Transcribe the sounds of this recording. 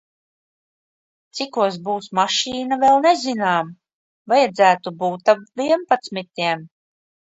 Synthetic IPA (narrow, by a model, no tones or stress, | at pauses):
t̪sikuɔs̬buːsmaʃiːnavɛlˠnezinaːm | vajɛd̪zæːt̪ubuːt̪apviɛmpat̪smit̪ʲiɛm